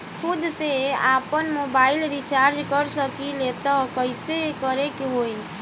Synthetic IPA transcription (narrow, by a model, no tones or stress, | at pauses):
kʰʊd̪seapənmobailɾit͡ʃaɾd͡ʒkəɾsəkilet̪ɔkəɪsekəɾekeɦoj